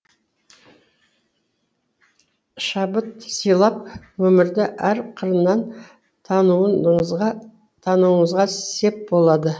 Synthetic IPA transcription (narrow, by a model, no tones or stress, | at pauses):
ʃɑbət̪sijlˠɑp̚wɵmɪɾd̪ɪʔæɾqʰəɾənːɑnʰ | ɑnuə | t̪ʰɑnuwəɴəzʁɑsse̞p̚bo̞lˠɑd̪ə